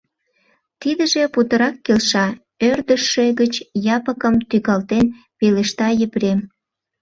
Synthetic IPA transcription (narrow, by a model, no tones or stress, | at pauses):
t̪id̪ə̆ʒeput̪əɾɑkːelʃɑ | ørd̪əʃːeɣət͡ɕjɑpəkəmt̪yɣɑlt̪en | peleʃt̪ɑjə̆pɾem